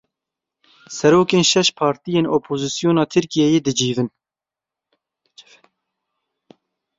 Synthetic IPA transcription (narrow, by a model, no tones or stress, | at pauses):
sɛɾoːkeːnʃɛʃpʰɑːɾt̪ijeːnoːpʰoːzisijoːnɑːt̪ʰɨɾkijɛjeːd̪ɨd͡ʒiːvɨn